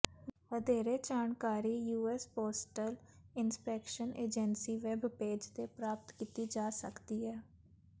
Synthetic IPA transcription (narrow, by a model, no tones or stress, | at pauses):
ʋəd̪eːɾeːd͡ʒaːɳkaːɾiːjuːɛːspoːsʈəlɪnspɛːkʃəneːd͡ʒɛnsiːʋɛːbpeːd͡ʒt̪eːpɾaːp̚t̪kiːt̪iːd͡ʒaːsə̰kd̪iːɦɛː